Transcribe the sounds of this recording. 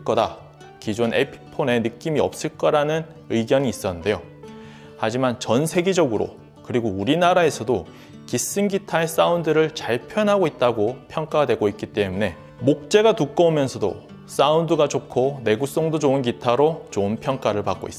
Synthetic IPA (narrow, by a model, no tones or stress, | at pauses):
k͈ʌda | kid͡ʑone̞pʰi̥pʰone̞nɯk͈imiʌp̚s͈ɯɭk͈ʌɾanɯn | ɯɡjʌɲiːs͈ʌnɯnde̞jo | had͡ʑimant͡ɕʌnsʰe̞ɡed͡ʑʌɡɯɾo̰ | kɯɾiɡouɾinaɾae̞sʰʌdo | kis͈ɯnɡitʰae̞s͈aundɯɾɯɭt͡ɕaɭpʰjʌnɦaɡoit̚t͈aɡopʰjʌŋk͈adwe̞ɡoit̚k͈it͈e̞mune̞ | mok̚t͡ɕ͈e̞ɡatuk͈ʌomjʌnsʰʌdo̰ | s͈aundɯɡad͡ʑokʰone̞ɡuk̚s͈ʌŋdod͡ʑoɯnɡitʰaɾot͡ɕonpʰjʌŋk͈aɾɯɭpak͈o̰is͈